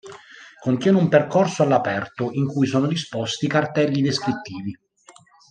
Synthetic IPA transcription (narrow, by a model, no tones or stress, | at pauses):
kont̪jɛːneumperkorsoalːapɛrt̪oʔiŋkujsoːnod̪ispɔst̪ikart̪ɛlːid̪eskɾit̪ːiːvi